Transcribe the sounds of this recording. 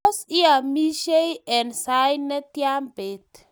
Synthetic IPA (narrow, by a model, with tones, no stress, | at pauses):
si˦a˨mi˦ʃe˦jɛ˨nsajnɛ˦t̪ja˦mbe˨t̪